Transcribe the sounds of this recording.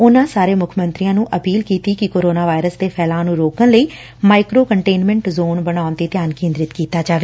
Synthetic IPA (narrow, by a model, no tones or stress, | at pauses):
ʊnãːsaːɾeːmʊkʰmənt̪ɾijãːnũːʔəpiːlkiːt̪iːkɪkoːɾoːnaːʋaːɪɾəsd̪eːpʰɛːlãːnũːɾoːkənləiː | maːɪkɾoːkəɳʈeːnmɛ̃ːɳʈzoːnbəɽ̃aːnt̪eːt̪jaːnkẽːnd̪ɾɪt̪kiːt̪aːd͡ʒaːʋeː